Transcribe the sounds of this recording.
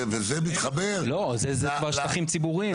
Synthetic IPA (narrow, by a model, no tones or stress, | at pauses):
vezɛmit̪χabeʁlo̞zezɛkvaʁʃtaχimt͡sibuʁi